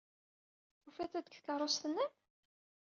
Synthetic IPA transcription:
ufæθæd̪əkθkərˤost̪ənːæn

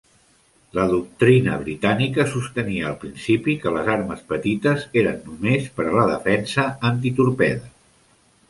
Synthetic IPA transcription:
ləðuk̚t̪ɾinə̰βɾit̪anikəsust̪əniəːlˠpɾinsipikələzaɾməspət̪it̪əzeɾənːumespəɾələðəfɛnsəːnt̪̬it̪uɾpɛðə

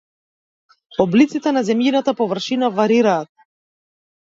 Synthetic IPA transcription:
ɔblit̪sit̪ɛnazɛmjinat̪apɔvr̩ʃinavaɾiɾaːt̪̚

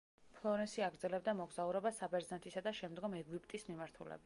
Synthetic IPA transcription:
pʰlˠɔɾɛnsiaɡɾd̪zɛlɛbd̪amɔɡzauɾɛbasabɛɾzant̪ʰisad̪aʃɛmd̪ɡɔmɛɡipʰʼt̪ʼismimaɾt̪ʰulɛ̰bit̪

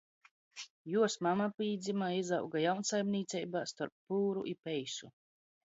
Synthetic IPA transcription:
juɔsmamapiːd̪zʲimaizawɡajawnsajmniːt̪sʲɛjbaːst̪ɔɾpːuːɾṵʔipɛjsu

